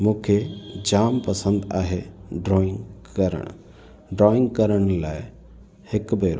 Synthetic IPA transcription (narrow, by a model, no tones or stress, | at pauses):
mũːkʰed͡ʑaːmpɐsə̃nd̪aːɦeɖɾɔːɪ̃ŋɡkɐɾə̰ɽ̃ | ɖɾɔːɪ̃ŋɡkɐɾəɽ̃laːɪ | hɪkbeːɾo̰